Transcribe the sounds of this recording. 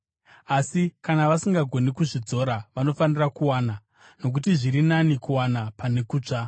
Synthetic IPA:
asikanaʋasiŋɡaɡʱo̞nikuʐid͡zo̞ɾaʋano̞fanirakuwaːna | no̞k̬utiʐiɾinanikuwanapane̞kuːt͡ʂa

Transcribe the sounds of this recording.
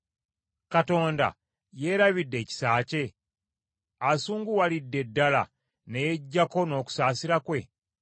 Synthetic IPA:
kato̞ːnda̰ | je̞ːɾaβidːe̞ːci̥saːce̞ | asuːŋɡuwalidːe̞dːala̰ | neje̞ɟːako̞no̞ːku̥saːsiɾakwe̞

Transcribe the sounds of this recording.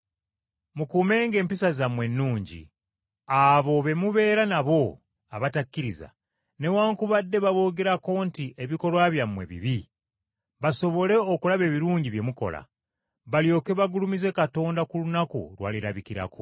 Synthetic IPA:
mukuːme̞ːŋɡe̞ːmpisazamwe̞nːuːɲɟḭ | aβo̞βe̞muβe̞ːɾanaβo̞ | aβatakːiɾiza̰ | ne̞waːŋkuβadːe̞βaβo̞ːɡe̞ɾako̞ntiʔe̞βiko̞lwaβjamːwe̞̰βḭβi | βaso̞βo̞le̞okulaβe̞ːβiɾuːɲɟiβje̞muko̞̰la̰ | βaljo̞ːke̞βaɡulumize̞kato̞ːndakulunakṵlwa̰ːliɾaβikiɾa̰kʰo̰

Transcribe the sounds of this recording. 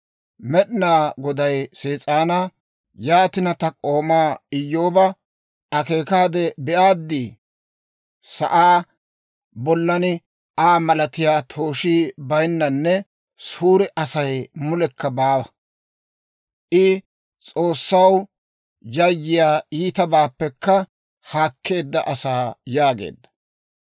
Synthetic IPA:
mɛɗɪnaːɡɔd̪ɐjseːt͡sʼaːnɐ | jaːt̪ɪnɐt̪ɐkʼo̞ːmaːɪjːo̞ːbɐ | ʔɐke̞ːkaːd̪ɛbɛʔaːd̪ːiː | sɐ̰ʔaː | bɔlːɐnɪ | ʔaːmɐlɐt̪ɪjaːt̪ʰo̞ːʃiːbɐjnːɐnːɛ | suːɾɛʔɐsɐjmʊlɛkːɐbaːwɐ | ʔɪ | t͡sʼo̞ːsːɐw | jɐjːɪjaːiːt̪ɐbaːpːɛkːɐ | haːkʰːe̞ːd̪ːɐʔɐsaːjaːɡḛːd̪ːɐ̥

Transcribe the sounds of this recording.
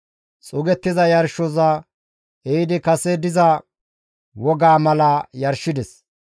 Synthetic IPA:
t͡sʼʊɡɛt̪ːɪzɐjɐɾʃɔzɐ | eɪd̪ɪkɐsɛd̪ɪzɐ | wɔɡaːmɐlɐjɐɾʃːɪd̪ɛs

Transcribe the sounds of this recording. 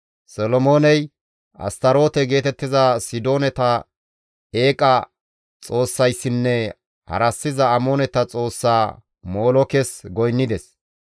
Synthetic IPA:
sɔlɔmo̞ːnɛj | ʔɐ̰st̪ɐɾo̞ːt̪ɛɡe̞ːt̪ɛt̪ːɪzɐsɪd̪o̞ːnɛt̪ɐ | e̞ːkʼɐ | t͡sʼo̞ːsːɐjsːɪnːɛ | hɐ̰ɾɐsːɪzɐːmonɛt̪ɐt͡sʼo̞ːsːaː | mo̞ːlɔkɛsɡɔjnːɪd̪ɛs

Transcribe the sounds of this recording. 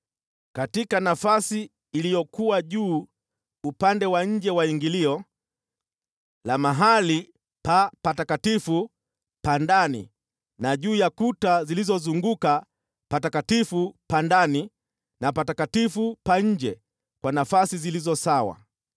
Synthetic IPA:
katikanafasiː | lijɔkuwaʄuː | upandɛwaɲ̩d͡ʒɛwaiŋɡiliɔ | lamaɦali | papatakatifu | pandanḭ | naʄuːjakutazilizɔzuŋɡuka | patakatifupandani | napatakatifupaɲ̩d͡ʒɛ | kwanafasizilizɔsawa̰

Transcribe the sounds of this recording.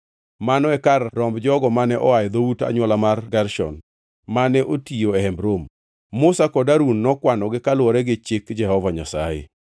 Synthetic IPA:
manɔɛkarːɔmbd͡ʒɔɡɔmanɛʔɔajd̪outa̰ɲwɔlamarɡaɾʃɔ̰n | manɛʔotioɛɦɛmbɾomː | ʊsakɔdaɾunːɔkwanɔɡɪkalwɔɾɛɡɪt͡ʃɪkd͡ʒɛhɔvaɲa̰sajɪ̰

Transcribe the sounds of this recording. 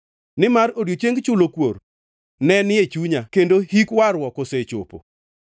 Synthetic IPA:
nɪmaɾoɾjot͡ʃeŋɡt͡ʃʊlokwoɾ | nɛnɪet͡ʃuɲakendohikwaɾwɔkɔset͡ʃo̰po̰

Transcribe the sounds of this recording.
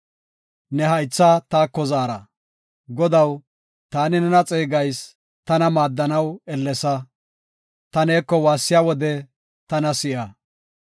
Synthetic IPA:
nɛɦɐjt͡sːat̪aːkːɔzaːɾɐ̰ | ɡɔd̪ɐw | t̪aːnɪnɛnɐt͡sʼeːɡɐjs | t̪ɐnɐmaːd̪ːɐnɐwɛlːɛsɐ | t̪ɐneːkːɔwaːsːɪjaːwɔd̪ɛ | t̪ɐnɐsɪʔɐ

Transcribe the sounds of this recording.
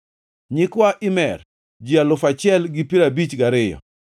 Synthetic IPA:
ɲɪkwaʔɪmɛr | d͡ʒɪalʊfat͡ʃɪɛlɡɪpiɾabit͡ʃɡaɾɪjɔ̰

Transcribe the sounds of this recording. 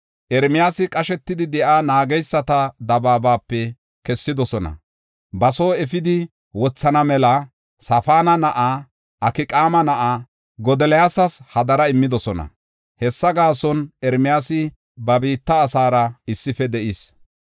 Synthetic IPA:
ʔɛɾmɪjaːsɪkʼɐʃɛt̪ːɪd̪ɪd̪ɛʔaːnaːɡɛjsːɐt̪ɐd̪ɐbaːbaːpːɛ | kɛsːɪd̪ɔsɔnɐ̰ | bɐsoːɛfɪd̪ɪ | wɔt͡sːɐnɐmɛlɐ | sɐfaːnɐnɐʔa | ɐkɪkʼaːmɐnɐʔaː | ɡɔd̪ɛlɛjaːsɐshɐd̪ɐɾɐɪmːɪd̪ɔsɔnɐ̰ | hɛsːɐɡaːsɔnɛɾmɪjaːsɪ | bɐbiːt̪ːɐːsaːɾɐɪsːɪfɛd̪ɛʔis

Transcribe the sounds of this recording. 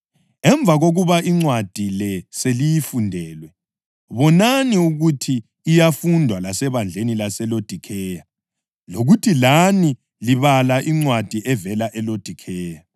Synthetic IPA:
ɛɱbvʱaɣoɣuβaʔiŋ͡ǀwad̥ʱilɛselijifundʱɛːlwɛ | βɔnaniuɣutʰiː | jafundʱwalasɛβand͡ɮʱenilasɛlod̥ʱikʰɛja | loɣutʰilani | liβalaʔiŋ͡ǀwad̥ʱiʔɛvɛlaʔɛlod̥ʱikʰɛːja

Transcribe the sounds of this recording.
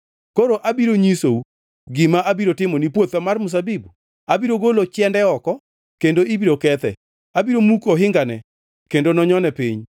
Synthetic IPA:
koɾoʔabiɾoɲisou | ɡɪmaʔabiɾotɪmonipwot̪amarmʊs̬abibu | abiɾoɡolot͡ʃɛndɛɔkɔ | kendoibiɾokɛt̪ɛ̰ | abiɾomukoɦɪŋɡanɛ | kendonɔɲɔnɛpiɲ

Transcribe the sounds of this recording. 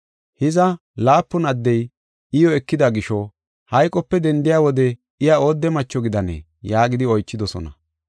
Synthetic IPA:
hɪzɐ | laːpːʊnɐd̪ːɛj | ɪjɔɛkːɪd̪ɐɡɪʃɔ | hɐjkʼɔpːɛd̪ɛnd̪ɪjaːwɔd̪ɛ | ɪjao̞ːd̪ːɛmɐt͡ʃːɔɡɪd̪ɐnḛː | jaːɡɪd̪ɪɔjt͡ʃːɪd̪ɔsɔ̰nɐ̰

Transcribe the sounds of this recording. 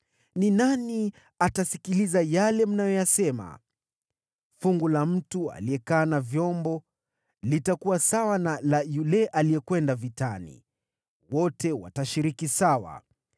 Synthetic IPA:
ninani | atasikilizajalɛm̩najɔjasɛma̰ | fuŋɡulam̩tua̰liɛkaːnavjɔmbɔ | litakuwasawanalajulɛʔalijɛkwɛndavitanḭ | wɔtɛwa̰taʃiɾikisawa̰

